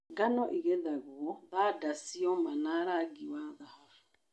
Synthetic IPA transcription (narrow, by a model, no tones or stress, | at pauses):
ɡanɔʔiɣɛðaɣuɔðadasiɔmanaɾaɡiwaðahavu